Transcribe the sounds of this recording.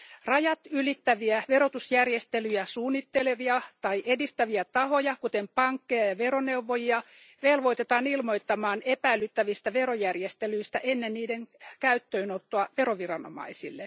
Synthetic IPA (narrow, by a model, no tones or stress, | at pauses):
rɑjɑt̪ylit̪ːæʋiæʋeɾot̪usjærjest̪elyjæsuːnːit̪ːeleʋiɑt̪ɑiʔedist̪æʋiæt̪ɑhojɑkut̪empɑŋkːejɑjɑʋeɾoneuʋːojiɑʋelʋoit̪et̪ɑːnilmoit̪ːɑmɑːnepæilːyt̪ːæʋist̪æʋeɾojærjest̪elyist̪æʔenːenniːdeŋkæyt̪ːøinot̪ːoɑʋeroʋirɑno̰mɑ̰isilːe